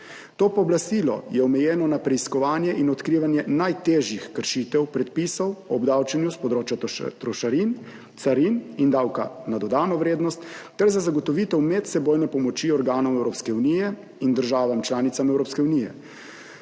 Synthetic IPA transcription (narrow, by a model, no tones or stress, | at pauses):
t̪oːpɔːblast̪iːlɔ̰jɛɔmɛjɛːnɔnapɾɛiskɔʋaːnjɛʔinɔt̪kɾiːʋanjɛnajt̪eːʒjixkəɾʃit̪ɛwpɾɛt̪̚pisɔwɔbd̪awt͡ʃɛnjuspɔd̪ɾoːt͡ʃjat̪ɾɔʃaɾin | t̪saɾinind̪aːwka̰nad̪ɔd̪aːnɔʋɾeːd̪nɔst̪ː | ɛɾzazaɡɔt̪ɔʋit̪ɛwmɛt̪sɛboːjnɛpɔmɔt͡ʃiɔɾɡaːnɔmwɛwɾoːpskɛunijɛ | ind̪əɾʒaːʋamt͡ʃlaːnit̪samɛwɾoːpskɛunijɛ̰